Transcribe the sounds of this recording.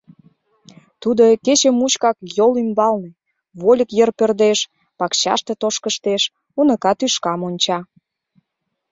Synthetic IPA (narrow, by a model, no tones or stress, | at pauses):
t̪ud̪oket͡ɕəmːut͡ɕkɑkjolymbɑlne | βolʲəkjərpørd̪eʃ | pɑkɕɑ̰ʃt̪et̪oʃkəʃt̪eʃ | unə̆kɑt̪yʃkɑmonʲt͡ɕɑ